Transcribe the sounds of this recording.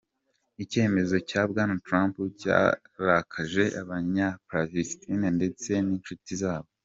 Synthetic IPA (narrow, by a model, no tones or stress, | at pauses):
ice̞ːme̞zo̞caːbɡaːnatɾaːmpuca̰ːɾakʰaʒe̞ʔaβaɲapɾavistʰinande̞t͡se̞niːnʃutizaːβo̞